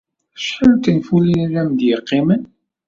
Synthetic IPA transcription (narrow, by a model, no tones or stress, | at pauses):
ʃħəlt̪ənfulinæɾæmd̪jəqːimən